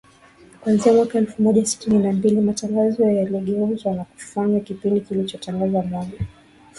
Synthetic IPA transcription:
kwanziamwakaɛlfumɔʄasi̥tininambilimataŋɡazɔjaliɠɛuzwanaku̥faɲwakipindikilit͡ʃɔtaŋɡazamɔʄa

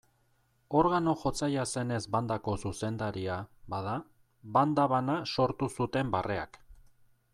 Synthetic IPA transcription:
o̞ɾɣano̞xo̞t͡sajase̞ne̞zband̪ako̞suse̞nd̪aɾiaβað̞a | βand̪aβanaso̞ɾt̪usut̪e̞mbare̞a̰k

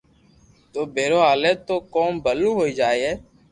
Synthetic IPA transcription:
t̪oːbʱeːɾoːɦaːleːt̪oːkoːmbʱəluːɦoːiːd͡ʒaːiɛː

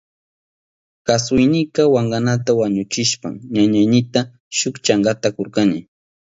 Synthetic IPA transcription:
kasʊjnɪkawaɴɢɑnat̪awaɲʊt͡ʃɪʃpa̰mɲaɲajnɪt̪a | ʃʊkt͡ʃaŋɢat̪akoɾkanɪ

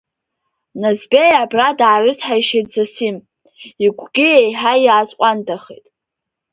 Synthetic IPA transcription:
nazbejabradaʕːrɨt͡sʰħajʃejtzasim | iɡʷʰɡʲiejħajaːt͡sʼqʷʼandʰaχḛjtʼ

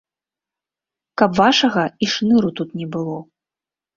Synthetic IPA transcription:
kɐpvaʂɐɣɐiʂnɨɾut̪ut̪nʲɛbɨlˠɔ

